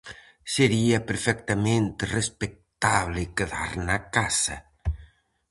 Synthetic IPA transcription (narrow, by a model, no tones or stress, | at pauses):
seɾiapeɾfɛkt̪amẽnt̪respek̚t̪aβlɪkeða̰ɾnakasɐ̰